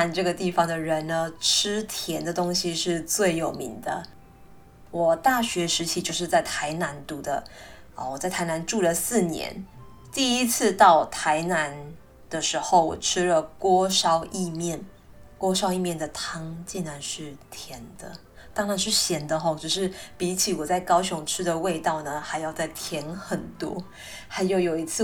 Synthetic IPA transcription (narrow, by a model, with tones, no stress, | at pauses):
a˧˩nʈ͡ʂɤ˥˩ɡə˩t̪i˥˩fɑ˨˩ŋd̪ə˩ɻə˧˦nnə˧ʈ͡ʂʰɻ̩˥t̪ʰjɛ˧˥nd̪ə˨t̪o˥ŋɕi˨ʂɻ̩˥˧t͡swe˥˩ɪjo˨˩ʊmḭ˧˥ŋd̪ə̰˧ | wɔ˨˩t̪a˥˩ɕɥɛ˧˥ʂɻ̩˧˥t͡ɕʰi˧˥˩t͡ɕjo˥˧ʊʂ̬ɻ̩˥˧t͡sa˥˩ɪt̪ʰa˧˥ɪna˧˥nt̪u˧˥d̪ə̰˧ | ə˩wɔ˨˩t͡sa˥˩ɪt̪ʰa˧˥ɪna˧˥nʈ͡ʂu˥˩lə˩sɹ̩˥˩njɛ̰˧˥n | t̪i˥˩i˥t͡s̩ʰ˥˧t̪ɑ˥˩ʊt̪ʰa˧˥ɪna˧˦n | d̪̥ə˨ʂɻ̩˧˥xo˥˩ʊwɔ̰˨˩ʈ͡ʂ̩ʰ˥lə˨kwɔ˥ʂɑ˥ʊʔi˥˧mjɛ˥˩n | kwɔ˥ʂɑ˥ʊi˥˧mjɛ˥˩nd̪ə˩t̪ʰɑ˥ŋt͡ɕɛ˥˩nɻa˧˥˦nʂɻ̩˥˩t̪ʰjɛ˧˥nd̪̥ə̰˧ | t̪ɑ˥ŋɻa˧˥nʂɻ̩˥˩ɕjɛ˨˩nd̪ə˧xɔ˥˧˩t͡ɕjo˥˧ʊʂɻ̩˥˩pi˧˥t͡ɕʰi˨˥wɔ˨˩t͡sa˥˩ɪkɑ˥ʊɕjʊ˧˥ŋʈ͡ʂʰɻ̩˥d̪ə˨we˥˧ɪt̪ɑ˥˩ʊnə˩xa˧˥ɪjɑ˥˧ʊt͡sa˥˩ɪt̪ʰjɛ˧˥nxə˨˩nt̪wɔ̰˥ | xa˧˥ɪjo˨˩ʊjo˨˩ʊi˧˥t͡sʰɹ̩˥˧˩